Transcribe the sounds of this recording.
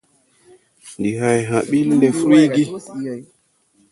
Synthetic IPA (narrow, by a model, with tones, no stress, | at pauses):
ndi˨ɦa˨jɦã˨ɓi˦lːe˨fɾi˦ɡi˦